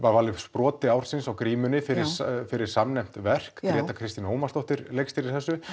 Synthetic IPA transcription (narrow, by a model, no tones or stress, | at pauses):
vaɾvaːlːɪfspɾɔːt̪ɪawɾ̥sɪnsawkɾiːmʏnɪfɪɾɪɾ̥sfɪɾɪɾ̥samnɛjm̥t̪vɛr̥kkɾɛːt̪akʰɾɪst̪inoːwmast̪ɔht̪ɪɾlejkst̪ɪɾɪɾ̥θɛsːʏ